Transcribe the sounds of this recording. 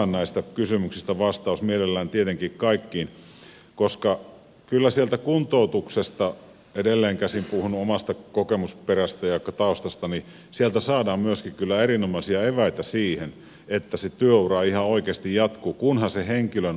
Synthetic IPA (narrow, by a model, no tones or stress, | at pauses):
ɑnːæist̪ækysymyksist̪æʋɑst̪ɑˑusmielelːæːnt̪iet̪eŋkikkɑikːiːn | koskɑ | kylːæsielt̪ækunt̪out̪uksest̪ɑ | edelːeːŋkæsimpuhunuomɑst̪ɑkokemusperæst̪æjɑˑikːɑt̪ɑost̪ɑst̪ɑni | sielt̪æsɑːdɑːmmyøskikkylːæerinomɑsiɑeʋæit̪æsiːhen | et̪ːæset̪yøurɑihɑoikeːst̪ijjɑt̪kuːkunhɑseheŋkiløn